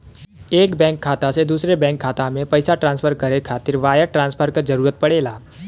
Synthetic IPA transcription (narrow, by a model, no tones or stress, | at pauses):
ekbɛ̃ŋkʰːat̪ased̪usɾebɛ̃ŋkʰːat̪amẽpəjsaʈɾãnspʰəɾkəɾekʰat̪ɪɾʋajəɾʈɾãnspʰəɾkəd͡ʒəɾuɾət̪̚pəɽela